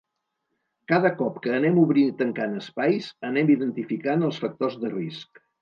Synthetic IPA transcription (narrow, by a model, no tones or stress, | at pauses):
kaðəkɔpkəːnɛmuβɾinit̪əŋkanəspajzənɛmiðənt̪ifikanəlˠsfək̚t̪ozðərisk